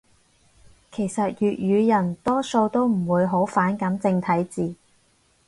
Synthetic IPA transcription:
kʰe˨˩jsɐ˨t̚jyː˨t̚jyː˨˧jɐ˨˩nt̪ɔː˥so˧wt̪o˥wm̩˨˩wuː˨˧jɦo˨˥wfaː˨˥nkɐ˨˥mt͡sɪ˧ŋt̪ʰɐ˨˥jt͡siː˨˧

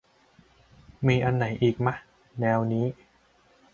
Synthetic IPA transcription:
miː˧ʔa˧nːa˩˦jʔiː˨˩k̚ma˦˥ʔ | nɛː˧wniː˦˥

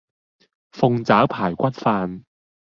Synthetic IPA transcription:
fʊ˧ŋt͡saː˨˥wpʰaː˨˩jkʷɐ˥t̚faː˧n

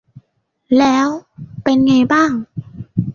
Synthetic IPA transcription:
lɛː˦˥wpe˧nŋa˧jbaː˥˩ŋ

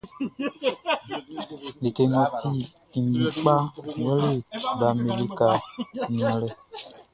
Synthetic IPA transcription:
le˨ke˨ŋɔ̃˨ti˦˨ | ŋ˨ɡĩ˨k͡pa˦we˦le˦ba˨me˨li˨ka˨ɲ˨ã˨lɛ˨

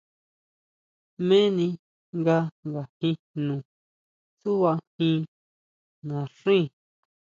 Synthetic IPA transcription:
mẽ˦nĩ˧ | ŋɡa˧ŋɡa˨hĩ˧ | nũ˨ | su˦βa˧hĩ˧ | nã˨ʂĩ˦˨

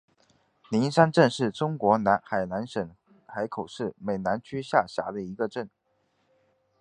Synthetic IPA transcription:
ni˧˥nʂa˥nʈ͡ʂə˥˧nʂɻ̩˥˩ʈ͡ʂʊ˥ŋkwɔ˧˥na˧˥xa˨˩ɪna˧˥nʂə˨˩n | xa˧˥ɪkʰo˨˩ʊʂɻ̩˥˩me˨˩ɪna˧˥nt͡ɕʰy˥ɕja˥˩ɕja̰˧˥d̪ə˧i˧˥ɡə˧ʈ͡ʂə˥˩n

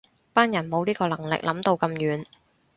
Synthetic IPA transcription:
paː˥njɐ˨˩nmo˨˧wniː˥kɔː˧lɐ˨˩ŋlɪ̰˨k̚lʔɐ˨˥mt̪o˧wkɐ˧mjyː˨˧n

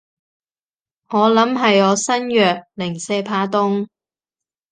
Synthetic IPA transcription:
ŋɔː˨˧lɐ˨˥mɦɐ˨jɔː˨˧sɐ˥njœː˨k̚lɪ˨˩ŋsɛː˧pʰaː˧t̪ʊ˥ŋ

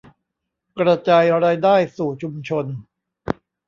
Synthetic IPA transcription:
kɾa˧t͡ɕaː˧jɾaː˧jdaː˥˩jsuː˨˩t͡ɕʰu˧mt͡ɕʰo˧n

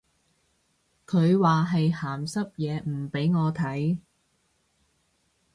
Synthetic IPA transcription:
kʰɵ˨˧ɥwaː˨ɦɐ˨jhaː˨˩msɐ˥p̚jɛː˨˧m̩˨˩pe˨˥jŋɔː˨˧t̪ʰɐ˨˥j

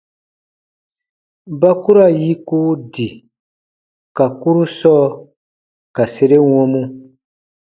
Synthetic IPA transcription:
ba˦ku˦ɾa˦˨ji˦ku˦di˨ | ka˨ku˦ɾu˦sɔ˦ | ka˨se˦ɾe˦wɔ̃˦mũ˦

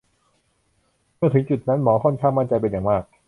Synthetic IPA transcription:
mɯ˥˩ɐt̪ʰɯ˩˦ŋt͡ɕu˨˩t̪̚na˦˥nmɔː˩˦kʰɔ˥˩nkʰaː˥˩ŋma˥˩nt͡ɕa˧jpe˧njaː˨˩ŋmaː˥˩k̚

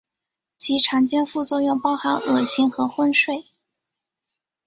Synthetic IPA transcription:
t͡ɕʰi˧˥ʈ͡ʂʰɑ˧˥ŋt͡ɕjɛ˥˧nfu˥˧t͡swɔ˥˧jʊ˥˩ŋpɑ˥ʊxa˧˥nʔɤ˨˩t͡ɕʰi˧˥ŋxɤ˧˥xwə˥˧nʂwe˥˩ɪ

